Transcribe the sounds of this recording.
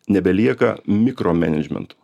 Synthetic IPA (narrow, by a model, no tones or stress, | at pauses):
nʲɛbʲɛlʲiɛkɐ̰mʲɪkɾoːmʲɛ̰nʲɛd͡ʒʲmʲɛ̰nt̪ʊ̥